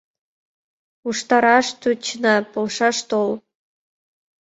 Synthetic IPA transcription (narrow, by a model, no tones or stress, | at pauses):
uʂt̪ɑɾɑʃt̪ut͡ɕnɑpŏlˠʂɑʃt̪olˠ